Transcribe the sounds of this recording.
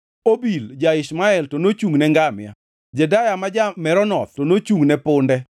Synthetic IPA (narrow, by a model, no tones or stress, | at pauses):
obild͡ʒaɪʃmaɛltonot͡ʃuŋnɛŋɡamɪja̰ | d͡ʒɛdajamad͡ʒamɛɾɔnɔt̪̚tonot͡ʃuŋnɛpʊndɛ